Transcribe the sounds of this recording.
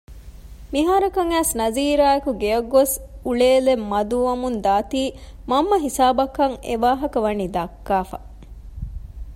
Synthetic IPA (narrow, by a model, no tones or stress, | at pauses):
miɦaːɾɐkɐŋæːsnɐziːɾaːekuɡeɐɡːosuɭeːlemːɐd̪uɐmund̪aːt̪iː | mɐmːɐɦisaːbɐkːɐŋḛʋaːɦɐkɐʋɐniːd̪ɐkːaːfɐ̰